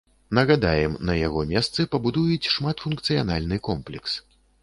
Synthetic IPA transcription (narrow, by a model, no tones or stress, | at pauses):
nɐɣad̪ajɛmnɐjaɣɔmʲɛst̪sɨpɐbud̪ujut͡sʲʂmat̪funkt̪sɨjanalʲnɨkɔmplʲɛks